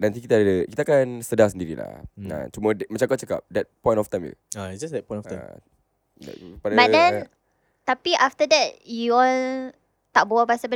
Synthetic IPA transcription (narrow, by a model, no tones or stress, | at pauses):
nãnt̪ikit̪aːəkit̪aːkansədasəndiɾḭla̰ã̰t͡ʃumɔdmə̃t͡ʃaŋkat͡ʃəka̰p̚dɛt̚pɔ̃j̃ntɔft̪ãjmjə̰aisd͡ʒasdɛt̚pɔ̃j̃tɔfã | d̰padabaʔdɛ̃n | t̪apiʔaft̪ədɛt̚juɔl | t̪aʔ̚bawapasəbə